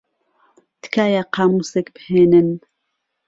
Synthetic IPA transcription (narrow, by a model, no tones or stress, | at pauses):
t̪kʰaːjaqʰɑːmuːsekbɨheːnɨn